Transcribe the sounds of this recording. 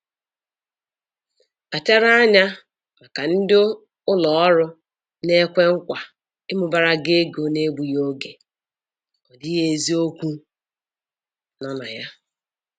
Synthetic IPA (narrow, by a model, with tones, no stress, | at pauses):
a˨te˦ɾa˦a˦ɲa˦ | ma˨ka˨n̩˦dɪ˦ | ʊ˦lɔ˨ɔ˦ɾʊ˦ | ne˦kʷe˦ŋ̩˦kʷa˨ | ɪ˦mʊ˨ba˨ɾa˦ɡe˦ɡo˨ne˦ɡ͡bu˨jo˦ɡe˨ | ɔ˨dɪ˦ɦe˨e˨zi˦o˦kʷu˦ | nɔ˦na̰˨ja˦